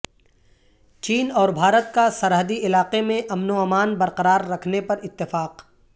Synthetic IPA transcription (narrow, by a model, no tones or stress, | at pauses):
t͡ʃiːnɔːɾbʱaːɾət̪̚kasɐɾɦəd̪iɪlaːqemẽʔɐmnoɦmaːnbɐɾqɐɾaːɾːɐkʰnepɐɾɪt̪ːɪfaːq